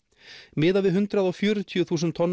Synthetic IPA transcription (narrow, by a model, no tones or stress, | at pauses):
mɪːðavɪðɦʏnt̪ɾaðɔɣfjʏːɾʏt̪ʰjʏθuːsʏnt̪ʰːɔnː